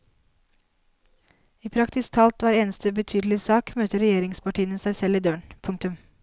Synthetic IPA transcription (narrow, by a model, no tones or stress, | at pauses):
iːpʰɾɑkt̪ɪst̪ʰɑlt̪ʋæːɾeːnəst̪əbət̪ʰyːd̪l̩ɪsɑːkmøːt̪əɾɛjeːɾɪŋspɑʈiːənəsæɪsɛliːd̪øːɳpʰʊŋt̪ʉm